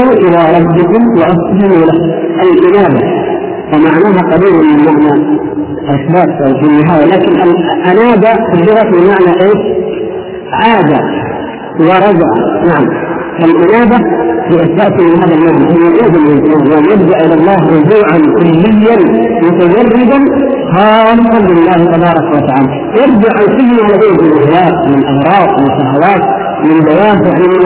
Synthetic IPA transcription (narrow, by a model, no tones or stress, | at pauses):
ʔɪðaɾˤɑb̪ːɪkʊmwɪʔaft̪alɪmulahʔalʔɪnaːb̪a | famaʕnaːɦaqɑdiːɾamːɪlmaʕna | ʔaxbaːffinːɪɦaːjalaːkɪnʔalʔanaːd̪axʊd̪ːɪɾɑt̪bɪmaʕnaʔeːʃ | ʕaːd̪a | wɪɾˤɑd͡ʒʕa̰naʕamʔalʔɪnaːb̪afiːʔasaːsimɪɦaːðalmaʕnaʔɪʊʕuːd̪amlɪlsaːjanjɪb̚d̪aʔʔɪlalˤːɑːɦɾʊd͡ʒuːʕankʊlːɪjːan | mʊt̪ad͡ʒɑrːɪd̪an | xɑːlɪsˤɑnlɪlːaːht̪ɑbɑːɾˤɑkawat̪aʕaːla | jɪɾd͡ʒaʕʔansiɡnʕalabeːmɪlʔaɦjaːʔnɪlʔɑɣɾˤɑːbwɪʃaɦawaːt̪̚ | wɪlbajaːhjaʕnim